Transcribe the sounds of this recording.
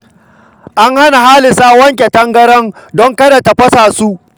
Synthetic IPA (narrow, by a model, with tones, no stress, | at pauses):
ʔa˦ŋha˦na˨haː˦lɪ˨saː˦wɐ˦ŋkʲe˨tɐ˦ŋɡɐ˦ɽɔ˦ndɔ˦ŋkɐ˦da˨ta˨ɸɐ˦saː˨su˦ʔ